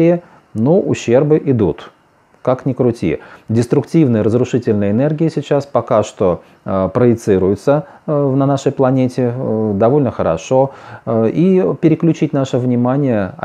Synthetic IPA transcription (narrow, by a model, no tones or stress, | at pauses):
ɪjɪ | noʔʊɕːe̞rbɨʔɪd̪ut̪ | kaknʲɪkɾʊtʲḭdʲɪst̪ɾʊktʲivnɨjəɾəzɾʊʂɨtʲɪlʲnəjəɪnerɡʲɪjəsʲɪt͡ɕaspɐkaʂt̪o | pɾəjɪt̪sɨɾʊjʊt̪səvnɐnaʂəjplˠɐnʲetʲɪd̪ɐvo̞lʲnəxəɾɐ̰ʂo | ipʲɪɾʲɪklʲʉt͡ɕitʲnaʂɨvnʲɪmanʲɪjəɐ̰